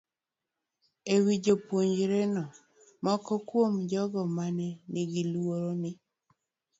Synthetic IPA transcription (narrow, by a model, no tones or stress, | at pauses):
ewid͡ʒopwoɲd͡ʒɾenɔ | mɔkɔkwomd͡ʒɔɡɔmanɛnɪɡɪlwoɾonɪ